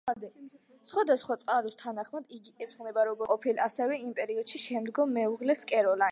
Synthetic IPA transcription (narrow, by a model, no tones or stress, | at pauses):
ad̪ɛ | sχwad̪asχwat̪sʼqʼaɾust̪ʰanaχmad̪iɡiɛt̪sʰʼnɛbaɾɔɡɔqʼɔpʰilasɛvɛimpʼɛɾiɔd̪̥ʃiʃɛmd̪ɡɔmːɛuʁlɛskʼɛɾɔla